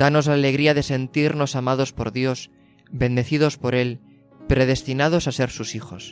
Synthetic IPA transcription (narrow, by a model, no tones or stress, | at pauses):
d̪̥ano̞zlaːle̞ɣ̞ɾiað̞e̞se̞nt̪iɾno̞samað̞o̞spo̞̰ɾðjo̞s | bẽ̞nd̪e̞θið̞o̞spo̞ɾe̞l | pɾe̞ð̞e̞st̪inað̞o̞sase̞ɾsusixo̰s